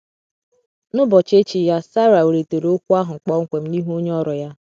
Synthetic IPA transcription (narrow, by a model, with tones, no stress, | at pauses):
nʊ˦bɔ˨t͡ʃe˦t͡ʃi˨ja˦sa˦ɾa˨o˨ɾe˨to˨ɾo˦o˦kʷu˦a˦ɦʊ˨ŋ͡m̩˨k͡pɔ˦ŋ̩˦kʷe˨m̩˦ni˦ɦo˦ɲ˦ɔ˦ɾɔ˨ja˦